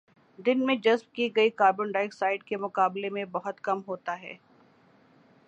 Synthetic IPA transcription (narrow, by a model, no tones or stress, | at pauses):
d̪ɪnmẽd͡ʒɐzb̚kiɡɐikaːɾbʊɳɖaːɪksaːɪɖ̚kemʊkaːblemẽbɐɦʊt̪kɐmɦoːt̪aɦɛ̰ː